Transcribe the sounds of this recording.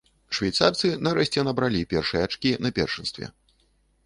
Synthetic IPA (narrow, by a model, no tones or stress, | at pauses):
ʂvʲajt̪sart̪sɨnɐɾɛɕt͡sʲɛnɐbɾalʲipʲɛrʂɨjɛat͡ʂkʲinɐpʲɛ̰rʂɨnst̪vʲɛ̰